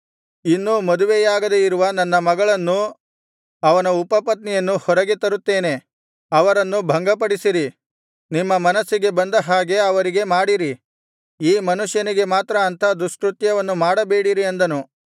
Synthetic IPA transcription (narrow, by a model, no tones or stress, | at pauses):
inːumɐd̪uʋejaːɡɐd̪eiɾuʋɐnɐnːɐmɐɡɐɭɐnːu | ɐʋɐnɐupɐpɐt̪nɛjɐnːuhɔɾɐɡet̪ɐɾut̪ːe̞ːne̞ | ɐʋɐɾɐnːubʱɐŋɡɐpɐɽisiɾi | nimːɐmɐnɐsːiɡe̞bɐnd̪ɐɦaːɡe̞ɐʋɐɾiɡe̞maːɽiɾi | iːmɐnuʂjɐniɡe̞maːt̪ɾɐːnt̪ʰɐd̪uʂkɾut̪jɐʋɐnːumaːɽɐbeːɽiɾiend̪ɐnu